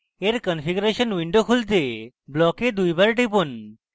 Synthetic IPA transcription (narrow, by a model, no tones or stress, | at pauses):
eɾkənfʰiɡuɾeʃənʋiɳɖokʰult̪e | blɔked̪ujbaɾʈipon